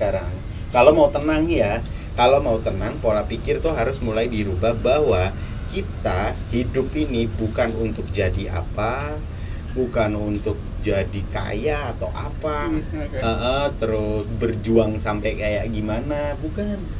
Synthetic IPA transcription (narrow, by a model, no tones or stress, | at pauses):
aɾaŋ | kalomaut̪ənaŋja | kalowmaut̪ənaŋpolapikɪrt̪ʊɦaɾʊsmulaidiɾubahbaɦwakit̪ahidʊpinibukanunt̪ʊk̚d͡ʒadia̰pa | bukanunt̪ʊk̚d͡ʒadika̰jaːt̪awʔapaəʔət̪əɾʊsbərd͡ʒuaŋsampajkajaʔɡimanabukan